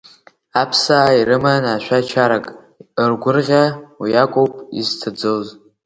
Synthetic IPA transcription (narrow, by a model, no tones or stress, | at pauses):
apʰsaːirɨmanaʃʷᶣat͡ʃʰaɾakʼ | ərɡʷʊrʁʲawijakʷʼowpʼḭzt͡sʰad͡zɨz